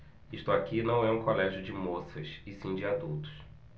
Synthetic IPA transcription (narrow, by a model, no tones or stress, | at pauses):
iʃt̪ʊakinɐ̃w̃ɛũkolɛʒjʊd͡ʒɪmosɐsɪsĩd͡ʒɪad̪uwt̪ʊ̥s